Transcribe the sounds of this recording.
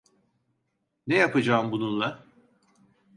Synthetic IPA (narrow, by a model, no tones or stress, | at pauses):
nejapad͡ʒaːɯmbununlˠa